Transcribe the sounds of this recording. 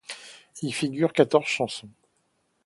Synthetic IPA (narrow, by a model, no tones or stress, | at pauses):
ilfiɡʲyʁkat̪ɔʁz̥ʃɑ̃sɔ̃